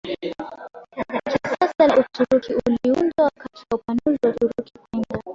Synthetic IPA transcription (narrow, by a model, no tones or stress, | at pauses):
ksasalutʰuɾukʰiuliunzaakatiwaupanuziwatuɾukikwɛnda